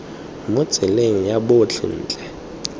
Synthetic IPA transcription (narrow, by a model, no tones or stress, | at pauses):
mʊ̥t͡sileŋ̩jaɓʊt͡ɬʰḭn̩ːt͡ɬʼɛ